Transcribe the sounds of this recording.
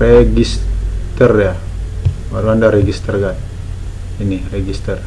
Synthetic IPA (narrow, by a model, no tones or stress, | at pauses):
reɡist̪ərja | waɾuandaɾɛɡist̪ərɡat̪̚ | inireɡist̪ər